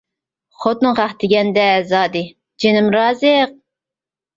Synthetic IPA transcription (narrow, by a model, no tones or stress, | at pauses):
χot̪nɨʁæχt̪ʰɪɡʲɛnd̪ɛzɑːd̪ɨ | d͡ʒenɪmɾɑːzɨq̚